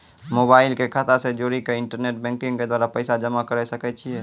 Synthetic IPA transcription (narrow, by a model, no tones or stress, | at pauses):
mobaːɪlkekʰat̪ased͡ʒoːɾikeɪɳʈəɾneːʈ̚bɛ̃ːŋkɪ̃ŋɡked̪waːɾapəɪsad͡ʒəmakəɾɛsəkɛt͡ʃʰiɦɛ